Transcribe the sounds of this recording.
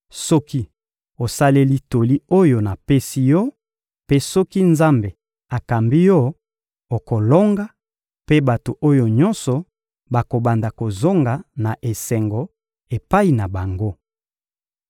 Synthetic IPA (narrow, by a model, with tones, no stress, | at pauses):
sɔ˦ki˦ | o˨sa˦le˦li˦to˨li˦o˦jo˨na˨pe˦si˦jɔ˦ | pe˦sɔ˦ki˦nza˦mbe˨ | a˨ka˨mbi˦jɔ˦ | o˨ko˨lo˦ŋɡa˦ | pe˦ba˨to˨ʔo˦jo˨ɲɔ˦nsɔ˨ | ba˨ko˨ba˨nda˨ko˨zo˦ŋɡa˨na˨ʔe˨sɛ˨ŋɡɔ˨ | e˨pa˦i˨na˨ba˨ŋɡo˦